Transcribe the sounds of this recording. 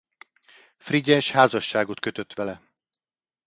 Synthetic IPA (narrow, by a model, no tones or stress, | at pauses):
friɟɛʃhaːzɒʃːaːɡo̞t̪køt̪øt̪ʋɛlɛ